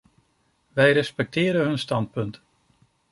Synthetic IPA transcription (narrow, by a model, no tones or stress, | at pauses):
ʋɛjrɛspɛk̚tɪːɾəɦɵnstɑnt̚pɵnt